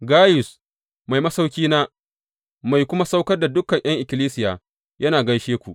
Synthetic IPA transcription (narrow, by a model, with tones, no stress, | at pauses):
ɡaː˦jʊ˨s | ma˨jmɐ˦sa˦wkʲiː˦naː˦ | ma˨jkʷʊ˦ma˦sa˦wkɐ˦rda˨dʊ˦kːɐ˨ɲʔj̰ɐ˦ŋʔɪ˨kʲɪ˨liː˦sɪ˦jaː˨ | jʔɐ˦naː˨ɡɐ˦jʃeː˦kʷu˨ʔ